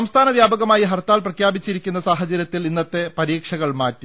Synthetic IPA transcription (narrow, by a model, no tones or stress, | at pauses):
ɐmst̪ʰaːnɐʋjaːbɐɣɐmaːjiɦɐrt̪ːaːlprɐkʰjaːbit͡ɕːiɾikʲːunːɐsaːɦɐt͡ɕɐɾjɐt̪ːilinːɐt̪ːe̞pɐɾiːkʂɐɣɐɭmaːtːi